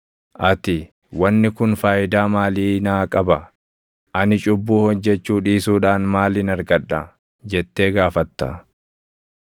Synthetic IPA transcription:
ʔɐt̪ɪ | wɐnːɪkʊnfaːʔɪd̪aːmaːliːnaːkʼɐbɐ | ʔɐnɪt͡ʃʼʊbːuːhɔd͡ʒːɛt͡ʃːuːᶑiːsuːᶑaːnmaːlɪnɐɾɡɐᶑɐ | d͡ʒɛt̪ːe̞ːɡaːfɐt̪ːɐ

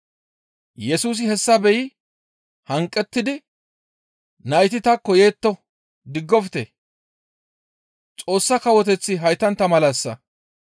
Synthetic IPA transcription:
jɛsuːs̬ɪhɛsːɐbɛjɪ | hɐŋkʼːɛt̪ːɪd̪ɪ | nɐjɪt̪ɪt̪ɐkːɔje̞ːt̪ːɔ | d̪ɪɡːɔfɪt̪e | t͡sʼo̞ːsːɐkɐwɔt̪ɛt͡sːɪɦɐjt̪ːɐnt̪ːɐmɐlɐsːɐ̰

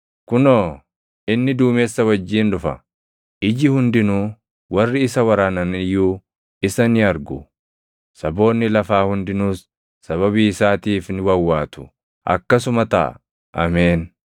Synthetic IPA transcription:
kʊnoː | ʔɪnːɪd̪uːmeːsːɐwɐd͡ʒːiːnᶑʊfɐ̰ | ʔɪd͡ʒɪhʊnd̪ɪnuː | wɐrːɪɪsɐwɐɾaːnɐnɪjuː | ɪsɐnɪɐɾɡʊ | sɐbo̞ːnːɪlɐfaːhʊnd̪ɪnuːsː | ɐβɐβiːɪsaːt̪iːfnɪwɐwːaːt̪ʊ̥ | ʔɐ̰kːɐsʊmɐt̪ɐ̰ʔ | ʔɐ̰meːn

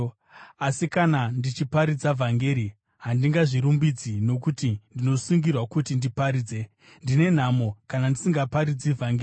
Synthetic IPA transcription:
asikanandit͡ʃipaɾid͡zavʱaŋɡe̞ɾi | ɦandiŋɡaʐiɾumbid͡zino̞k̬utindino̞suŋɡirwakutindipaɾiːd͡ze̞ | ndine̞n̤amo̞kanandisiŋɡapaɾid͡zivʱaŋɡe

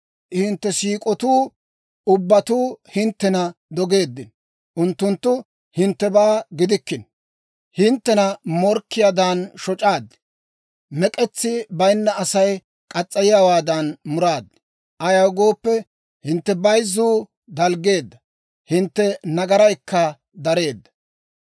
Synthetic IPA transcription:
hɪnt̪ːɛsiːkʼɔt̪uː | ʊbːɐt̪uːhɪnt̪ːɛnɐd̪ɔɡe̞ːd̪ːɪn | ʔʊnt̪ːʊnt̪ːʊ | hɪnt̪ːɛbaːɡɪd̪ɪkːɪn | hɪnt̪ːɛnɐmɔɾkːɪjaːd̪anʃɔt͡ʃʼaːd̪ɛ̥ | mɛkʼɛt͡sːɪbɐjnːɐɐsɐj | kʼɐt͡sʼːɐjɪjawaːd̪ɐnmʊɾaːd̪ː | ʔɐjɐwɡo̞ːpːɛ | hɪnt̪ːɛbɐjzːuː | d̪ɐlɡe̞ːd̪ːɐ | hɪnt̪ːɛnɐɡɐɾɐjkːɐ | d̪ɐɾe̞ːd̪ːɐ̥

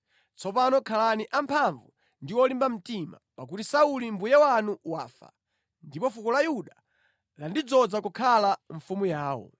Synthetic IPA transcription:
t͡sʰɔpanɔkʰalaniʔampʰaɱvu | ndiwɔlimbam̩tima̰pak̬utisaulimbujɛwanuwa̰ːfa̰ | ndipɔfukɔlajuɗa | landid͡zɔd͡zakukʰalaɱfumujaːwɔ̰

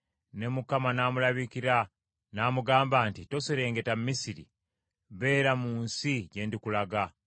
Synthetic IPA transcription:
ne̞mukamanaːmulaβikiɾa | naːmuɡaːmbaːntito̞seɾe̞ːŋɡe̞tammisiɾḭ | βe̞ːɾamuːnsiɟe̞ːndikulaɡa

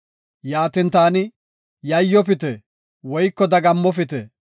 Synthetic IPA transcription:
jaːt̪ɪnt̪aːnɪ | jɐjːɔpɪt̪ɛ | wɔjkːɔd̪ɐɡɐmːɔf̬ɪt̪ɛ

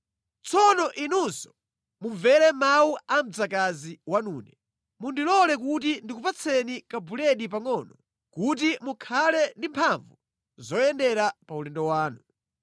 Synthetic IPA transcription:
t͡sʰɔnɔʔinunsɔ̥ | muɱvɛlɛmawuam̩d͡zakaziwanuːnɛ | mundilɔlɛk̬utindikupat͡sʰɛnikabulɛɗipaŋɔːnɔ | kut̬imukʰalɛndimpʰaɱvu | zɔjɛndɛɾapaulɛndɔwaːnu

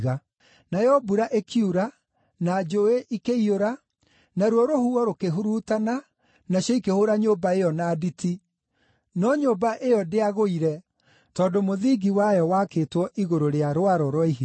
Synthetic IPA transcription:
ɣa | najɔbuɾaʔekʰiuɾa | nad͡ʒoeʔikeioɾa | naɾwɔɾohuɔɾokeɦuɾuːtana | naɕɔikehoɾaɲoːbaejɔnaːditʰi | nɔɲoːbaʔejɔdeaɣoiɾɛ | tɔːdomoðiɡiwajɔwakeːtwɔʔiɣoɾoɾeaɾoaɾɔɾɔiɦi

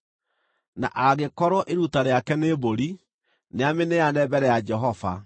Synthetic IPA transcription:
na̰ʔaɣekɔɾɔʔeɾutaɾeakɛneːboɾi | neamenejanɛbɛɾɛjad͡ʒɛɦɔva̰

